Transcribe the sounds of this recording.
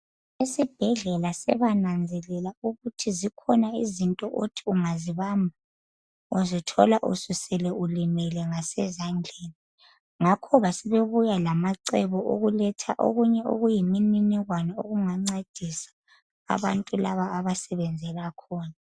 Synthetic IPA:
isib̥ʱɛɮɛlasɛ̰βanand͡zʱɛlɛlauɣutʰizikʰɔnaizintʼɔʔotʰiuŋaziβambʱa | uzitʰɔlaʔṵsusɛlɛulimɛlɛŋasɛzaŋd͡ɮʱeːni | ŋakʰɔβasɛβeβujalamaǀɛβɔʔo̰ɣulɛtʰaʔo̰ɣuɲɛo̰ɣujimininiɣwanaoɣuŋaŋ͡ǀed̥ʱisḁ | a̰βantʼulaβaːβasɛβɛnd͡zʱɛlakʰɔːna

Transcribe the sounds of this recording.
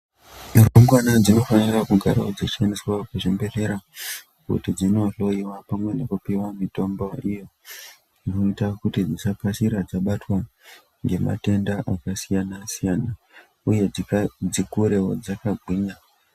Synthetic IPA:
iroŋɡwanad͡zino̞fanirakuɡʱa̰ɾa̰od͡zḁʃaniswakuʐimbe̞ɮe̞ɾa | kṵtid͡zinoɬo̞jiwapamwe̞nekupiwamito̞mbo̞ijo | inoitakutid͡zisakaʃiɾad͡zaɓatwa | ŋɡe̞ma̰te̞ndaʔakasijanasijana | uje̞d͡zikuɾe̞wo̰d͡zakaɡʱwiːɲa

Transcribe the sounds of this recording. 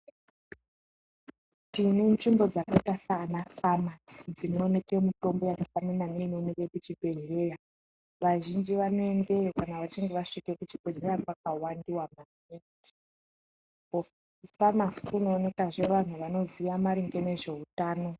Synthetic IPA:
tinenʐimbo̞d͡zakatasaːnafamasd͡zino̞ːne̞kemuto̞mbo̞jakafanananeino̞neke̞kut͡ʃibʱe̞nrera | ʋaʒind͡ʒiʋanoendeokanaʋat͡ʃiŋɡe̞ʋaʂike̞kut͡ʃibʱe̞nerakwakawandiwama | eti | po | famasi̥kuno̞ːne̞kaʐe̞ʋan̤uʋano̞ziʋamaɾiŋɡene̞ʐe̞utaːno̞

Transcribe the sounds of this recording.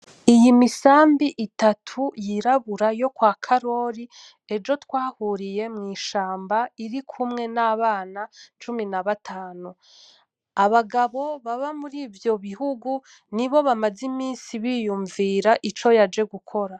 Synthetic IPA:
ijimisaːmbiʔitatʰujiɾaβuɾajo̞kwaːkʰaɾo̞ɾi | e̞d͡ʒo̞twaːhuɾije̞mŋiːʃaːmbaiɾikʰumŋe̞naβaːnat͡ʃuminaβatʰaːnu | aβaɡaβo̞βaβamuɾiːvjo̞βihuɡu | niβo̞βamazimiːnsiβiːjuːɱviɾaʔit͡ʃo̞jad͡ʒe̞ɡukʰo̞ɾa

